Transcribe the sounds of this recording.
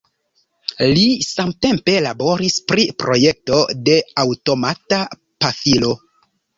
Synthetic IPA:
lisamte̞mpe̞labo̞ɾispɾipɾo̞je̞k̚to̞de̞awto̞mata | pafilo̞

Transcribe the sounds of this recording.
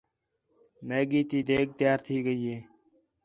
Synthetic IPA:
meːɡiːt̪iːd̪eːk̚t̪jaːɾt̪ʰiːɡəiːeː

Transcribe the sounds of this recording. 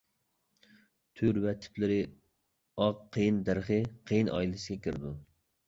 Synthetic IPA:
t̪ʰyɾvɛt̪ʰɪ̥plɪɾɪ | ɑqqʰːejɪnd̪æɾχɨqʰejinʔɑ̰jilɪsɪɡʲɛkʲʰiɾɪd̪u

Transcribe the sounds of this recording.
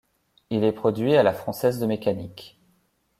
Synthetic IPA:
ilɛpχɔd̪ɥialafχɑ̃sɛzd̪əmekanik

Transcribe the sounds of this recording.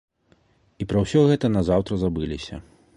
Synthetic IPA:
ipɾɐwsʲɔɣɛt̪ɐnazawt̪ɾɐzabɨlʲisʲɐ̰

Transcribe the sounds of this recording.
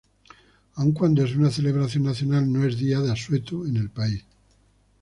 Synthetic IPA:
auŋkwand̪oe̞s̬unaθe̞le̞β̞ɾaθjo̞nnaθjonalno̞e̞zðiaðeaswe̞t̪uene̞lpais

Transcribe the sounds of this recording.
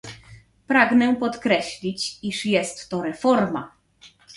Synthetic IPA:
pɾaɡnɛpɔt̪kɾɛɕlʲit͡ɕiʂjɛst̪ːɔɾɛfɔɾma̰

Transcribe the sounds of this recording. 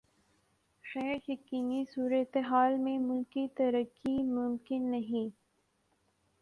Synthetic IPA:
xɛːɾjɐkinisuːɾɐt̪eɦaːlmẽmʊlkit̪ɐɾəkːimʊmkɪnːɐɦĩ

